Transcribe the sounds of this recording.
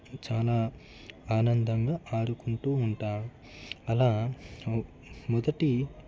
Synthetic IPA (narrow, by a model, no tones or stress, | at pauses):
t͡ʃaːlaː | aːnɐnd̪ɐŋɡaːʔaːɽukuɳʈuːɳʈaːmu | ɐlaː | mɔd̪ɐʈi